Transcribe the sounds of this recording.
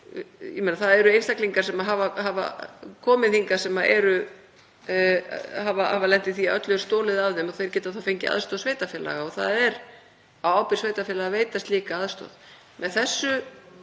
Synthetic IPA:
j̰menaθaðɛɾʏejnst̪akliŋkaɾ̥sɛmaɦavaɦava̰kʰɔːmɪðθiŋkḁsɛmaʔɛ̰ɾʏ | havaa̰valɛn̥t̪ɪθiaœt̪lʏɾ̥st̪oːlɪðavðɪmɔθejɾ̥cɛːt̪aθawfejɲcɪ̰a̰ðst̪oːsveːjt̪afɛːla̰ɣaɔɣθaðɛɾ | awaːwpɪɾ̥sveːjt̪afɛːlaɣaveːjt̪ast̪liːkaaðst̪o̰ð | mɛðθɛsːʏ

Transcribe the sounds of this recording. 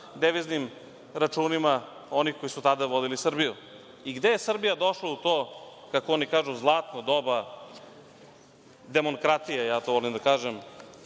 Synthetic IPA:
d̪eʋiznim | ɾat͡ʃuːnima | o̞nixko̞isut̪ad̪aʋo̞d̪ilisr̩biju | iɡd̪eje̞sr̩bijad̪oʃlaut̪oːkakoonikaːʒuzlˠaːt̪nod̪oba | d̪emoŋkɾat̪ijajaːt̪oʋolimd̪akaːʒem

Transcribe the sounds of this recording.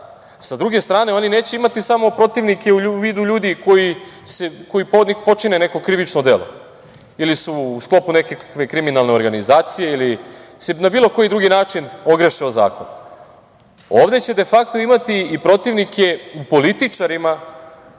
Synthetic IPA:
sad̪ɾuɡe̞st̪ɾaːne̞o̞nine̞ːt͡ɕe̞imat̪isamo̞pɾo̞t̪iʋnike̞uʋiːd̪uʎuːd̪iko̞jiseko̞jipod̪ɲixpo̞t͡ʂinene̞ko̞kɾiʋit͡ʂnod̪e̞lˠo̞̰ | ilisuːsklˠo̞pune̞kakakʋekɾiminalˠne̞o̞ɾɡanizaːt̪sije̞ilisenabiːlˠo̞ko̞jid̪ɾuɡinaːt͡ʂino̞ɡɾeʃioza̰ːko̰n | o̞ːʋd̪et͡ɕe̞d̪e̞fakt̪o̞imat̪iːpɾo̞t̪iʋnikʰe̞upo̞lit̪it͡ʂaɾima

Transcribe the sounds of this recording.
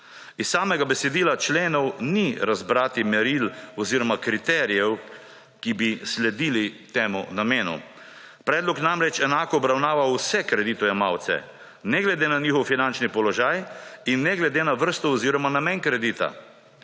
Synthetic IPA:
issaːmɛɡabɛsɛd̪iːlat͡ʃleːnɔwniɾazbɾaːt̪imɛɾilɔziːɾɔmakɾit̪ɛːɾijɛw | kibislɛd̪iːlit̪eːmunameːnṵ | pɾɛːd̪lɔkjnamɾɛt͡ʃɛnaːkɔːbɾawnaːʋawsɛkɾɛd̪iːt̪ɔjamaːwt̪sɛ̰ | nɛɡlɛd̪eːnaniːxɔwfinant͡ʃnipɔlɔʒaːjinːɛɡlɛd̪eːnaʋəɾst̪ɔɔziːɾɔmanameːnkɾɛd̪iːt̪a̰

